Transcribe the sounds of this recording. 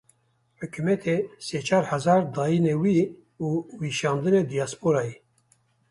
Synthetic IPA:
ħɨkʰymɛt̪ʰeseːt͡ʃʰɑːɾhɛzɑːɾd̪ɑːjinewiː | uːwiʃɑːnd̪ɨned̪ijɑːspoɾɑːje

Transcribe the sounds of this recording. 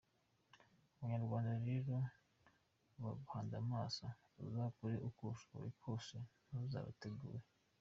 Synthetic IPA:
uβuɲaɾɡwaːndaɾeɾo | βaɡuhaːndamaːsa | uzakuɾeʔukuʃβo̰ɾikʰoːsenaza̰ːβa̰teɡṵːɾe

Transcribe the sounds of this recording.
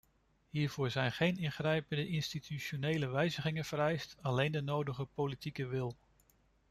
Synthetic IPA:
ɦiːɹvʊːɹzɛjnχejnɪnχrɛjpəndəʔɪnstitʰyʃonejləʋɛjzəχɪŋənv̥əɾɛjstɑlejndənowdəχəpolitikəʋɪlˠ

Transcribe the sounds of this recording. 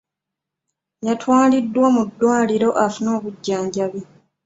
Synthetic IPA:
jatʰwaːlidːwamudːwaːliɾo̞ʔafuno̞ːβuɟːaːɲɟaβi

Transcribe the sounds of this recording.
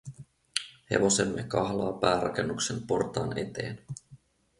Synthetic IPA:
he̞̰ʋo̞se̞mːekɑɦlɑːpæːɾɑk̟e̞nːuksempo̞rt̪ɑːne̞t̪e̞ːn

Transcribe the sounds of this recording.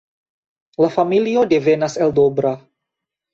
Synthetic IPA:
lafamilio̞de̞ve̞naseldo̞bɾa

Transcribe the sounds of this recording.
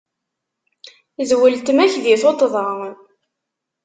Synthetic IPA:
zwəlt̪mæçðiθot̪ˤðˤɑ

